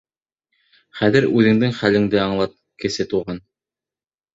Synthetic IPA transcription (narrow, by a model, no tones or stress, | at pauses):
χæðɘɾʉðɘ̆ŋd̪ɘŋχælɘ̆ŋd̪ɘɑɴlˠɑt̪̚ | kɘ̆sɘt̪uʁɑn